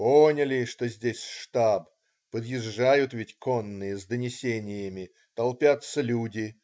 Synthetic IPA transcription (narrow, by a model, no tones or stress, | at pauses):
ponʲəlʲɪʂt̪o̞zʲdʲesʲʂt̪ab | pəd̪jɪʐːajʊt̪vʲɪtʲko̞nːɨjəzd̪ənʲɪsʲenʲɪjəmʲɪ | t̪ɐlˠpʲat̪səlʲudʲɪ